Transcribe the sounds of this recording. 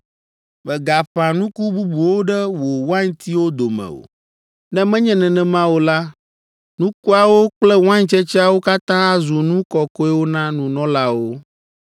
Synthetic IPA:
mɛ̃˨ɡa˨ɸa˨nũ˦ku˦bu˦bu˨wo˦ɖɛ˦wo˨wã˦ɲt̪i˦wo˦d̪o˨mɛ̰̃˨o̰˨ | nɛ̃˦mɛ̃˦ɲɛ̃˦nɛ̃˨nɛ̃˨mã˦wo˦la˦ | nũ˦ku˦a˨wo˦k͡plɛ˦wã˦ɲt͡ʃɛ˦t͡ʃi˦a˦wo˦ka˦t̪ã˦a˦zu˨nũ˦kɔ˨kɔ˦ɛ˦wo˦nã˦nũ˨nɔ̃˦la˦wo˦

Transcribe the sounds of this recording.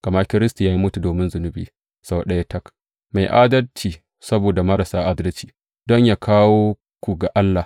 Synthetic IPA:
kʼɐ˨ma˦kʲɪ˦ɾɪ˦sta˨ja˦ji˦mʊ˦tu˨doː˨mɪ˦nzʊ˨nʊ˦biː˨ | sa˦wɗɐ˦ja˦tɐ˦k | ma˨jʔaː˦dɐ˦lt͡ʃiː˨ | sɐ˦boː˨da˨mɐ˦ɾa˨saː˦ʔa˦dɐ˦lt͡ʃi̥ː˨ | dɔ˦ɲjaː˦kʰaː˦woː˦ | kʷu˨ɡa˨ʔa˦lːaː˨

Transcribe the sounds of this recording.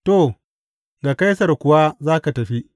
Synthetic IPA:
to˦˨ | ɡa˨ka˦jsɐ˨rkʷʊ˨wa˦zaː˦ka˨tɐ˨ɸi˦ʔ

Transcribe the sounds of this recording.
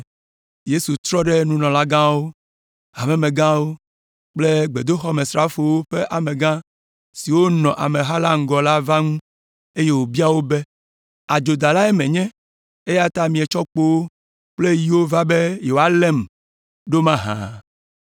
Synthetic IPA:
je˦su˨t̪ɾɔ˦ɖe˦nũ˦nɔ̃˨la˦ɡã˦wo˦ | a̰˨mɛ̃˦mẽ˨ɡã˦wo˦ | k͡ple˦ɡ͡be˨d̪o˦xɔ˦mẽ˨sɾa˦fo˨wo˦ɸe˦ʔa˨me˨ɡã˦ | si˨wo˦nɔ̃˨ʔa˨mẽ˨ɦa˦la˦ŋ̩˨˦ɡɔ˨la˦va˦ŋũ˦ | e˦je˦wo˨bi˦a˦wo˦be˦ | a˨d͡ʒo˨d̪a˨la˦e˦mẽ˨ɲɛ̃˦ | e˦ja˦t̪a˦mĩ˨e˨t͡ʃɔ˦k͡po˦wo˦ | k͡ple˦ji˦wo˦va˦be˦je˨wo˨˦a˦le˦˨m | ɖo˦mã˦ɦã̰˨

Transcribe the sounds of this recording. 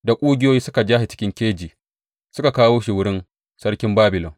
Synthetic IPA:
da˨kʷʼuː˦ɡʲɪ˦joː˦jiː˦sʊ˦ka˨d͡ʒaː˦he˨t͡ʃɪ̥˦kʲɪ˦ŋkʲeː˦d͡ʒiː˨ | sʊ˦ka˨kaː˦woː˦ʃi˨wʊ˦ɽɪ˦n | sɐ˦ɽkʲɪ˦mbaː˦bɪ˨lɔ˨ŋ

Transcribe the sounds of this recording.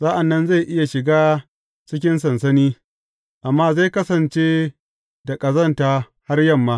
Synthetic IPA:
zaː˦ʔa˨nːɐ˦nza˦˨ʔɪ˦ja˨ʃɪ˨ɡaː˦ | t͡ʃɪ˦kʲɪ˦nsɐ˨nsɐ˦niː˦ | ʔa˨mːaː˦za˦˨jkɐ˦sɐ˨nt͡ʃe˦ | da˨kʼɐ˨zɐ˦˨ntaː˨ | ha˦rjɐ˦˨mːaː˦

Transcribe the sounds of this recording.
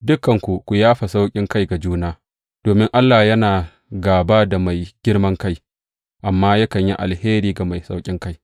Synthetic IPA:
dʊ˦kɐ˨ŋkʷu˨kʷu˨jaː˦ɸa˨sa˦wkʲʼɪ˦ŋka˦jɡa˨d͡ʒuː˦naː˦ | d̥oː˨mɪ˦ŋʔa˦lːaː˨jɐ˦naː˨ | ɡaː˨baː˦da˨ma˨jɡ̥ʲɪ˦ɽmɐ˦ŋka˦j | ʔa˨mːaː˦ja˦kɐ˨ɲji˦ʔa̰˨lheː˦ɾiː˨ɡa˨ma˨jsa˦wkʲʼɪ˦ŋka˦j

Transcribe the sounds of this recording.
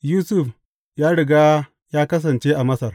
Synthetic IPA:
juː˦sʊ˦˨ɸ | jaː˦ɽɪ˨ɡaː˦ | jaː˦kɐ˦s̬ɐ˨nt͡ʃeː˦ʔa˨mɐ˦sɐ˨r

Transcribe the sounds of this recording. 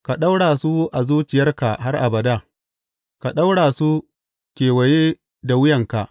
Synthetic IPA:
ka˨ɗa˦wɽaː˨su˦ʔa˨zuː˦t͡ʃɪ˨jɐ˦rka˨ɦa˦rʔa̰˨bɐ˨da˦ | ka˨ɗa˦wɽaː˨su˦ | kʲeː˨wɐ˨jeː˦ | da˨wʊ˦jɐ˨ŋka˨ʔ

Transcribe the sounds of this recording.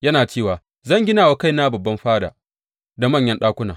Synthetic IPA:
jɐ˦naː˨t͡ʃeː˦˨waː˨ | zɐ˦˨ŋɡʲɪ˦naː˨wa˨ka˦˨jna˦bɐ˨bːɐ˦mɸaː˦da̰ː˨ | da˨mɐ˦ɲjɐ˦nɗaː˦kʷʊ˦naː˨

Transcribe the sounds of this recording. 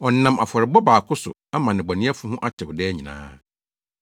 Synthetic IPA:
ɔ˨˦nːã˨ma˨fɔ˨ɾɪ˨bɔ˦baː˨kʰʊ˦sʊ̰˨a˦mã˨nɪ̃˨bɔ˨nɪ̃˦ɛ˦fʊ˦hʊ̃˦ʔa˦t͡ɕʰɪ˨wdɛː˦ɲĩ˨nã̰ː˦

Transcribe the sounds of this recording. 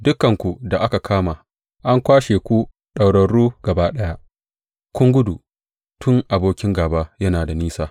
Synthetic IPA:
dʊ˦kːɐ˨ŋkʷu˨da˨ʔa˦ka˨kʰaː˦maː˨ | ʔa˦ŋkʷaː˦ʃeː˨kʷu˦ | ɗa˨wɽɐ˨ɽːuː˦ɡ̥ɐ˨baː˦ɗɐ˦ja˦ʔ | kʷʊ˦ŋɡʷʊ˦du˨ | tʰʊ˦ŋʔa˨boː˦kʲɪ˦ŋɡaː˨baː˦jɐ˦naː˨da˨niː˦saː˦

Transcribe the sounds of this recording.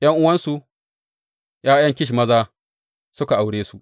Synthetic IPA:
j̰ɐ˦ŋʔʊ˦wɐ˦nsu˨ | jaː˦jɐ˦ŋkʲɪ˦ʃ̬i˨mɐ˦zaː˦ | sʊ˦ka˨ʔa˨wɽeː˦su˨

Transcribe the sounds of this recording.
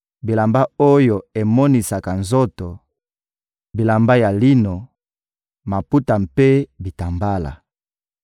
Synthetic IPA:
bi˨la˨mba˦o˦jo˨e˨mɔ˦ni˨sa˨ka˨nzo˦to˨ | bi˨la˨mba˦ja˨li˦no˨ | ma˨pu˦ta˨mpe˦bi˨ta˨mba˦la̰˨

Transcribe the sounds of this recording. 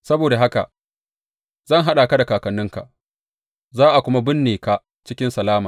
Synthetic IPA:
sɐ˦boː˨da˨ɦa˦ka̰˨ | zɐ˦˨ŋɦa˦ɗa˨ka˦da˨kaː˨kɐ˨nːʊ˦ŋka̰˨ | zaː˦ʔa˨kʷʊ˦ma˦bɪ˦nːiː˨ka˦ | t͡ʃɪ˦kʲɪ˦nsɐ˨laː˦maː˨

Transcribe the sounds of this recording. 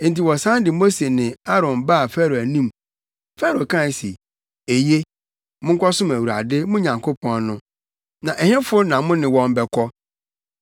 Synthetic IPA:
n̩˨ti˨wɔ˨sã˦ndɪ˨mo˦se˨nɪ̃˨a˦ɾɔ̃˨nba˦a˨fæ˦ɾo˨æ˨nĩ˦m | fɛ˦ɾo˨kʰã˦˨n˨sḭ˨ | e˨je˦ | mʊ̃˦ŋ̩˦kʷʰɔ˦sʊ̃˦mæ˨wu˨ɾa̰˨dɪ˦mʊ̃˦ɲã˨ŋkʰo˦pʰɔ̃˦nnʊ̃˦ | nã˨ʔɛ˨hɪ̃˦fʊ˦nã˨mʊ̃˦nɪ̃˨wɔ̃˨mbɛ˨kʰɔ˦

